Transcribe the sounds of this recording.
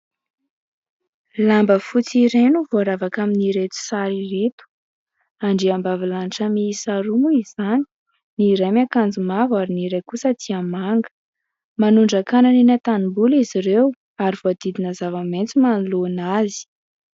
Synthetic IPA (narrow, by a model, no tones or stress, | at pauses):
lambəfut͡siɾenuvoaɾavakaminiɾet̪u̥saɾiret̪u̥ | aɳɖ͡ʐeambavilanʈ͡ʂəmiisaɾumuizanii̥ | niɾemakand͡zumavaɾiniɾejkusət̪ʰiamaŋɡə̥ | manuɳɖ͡ʐakananinat̪animbuliziɾew | aɾiv̥oad̪̥id̪inəzavament͡simanlonazi̥